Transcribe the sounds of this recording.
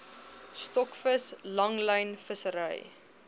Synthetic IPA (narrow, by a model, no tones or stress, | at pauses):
stɔkfəslɐŋləjnfəsəɾə̰j